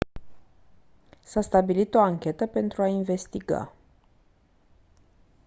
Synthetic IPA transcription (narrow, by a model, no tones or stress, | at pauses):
sast̪abilit̪o̞aŋkʲe̞t̪əpe̞nt̪ɾuainve̞st̪iɡa̰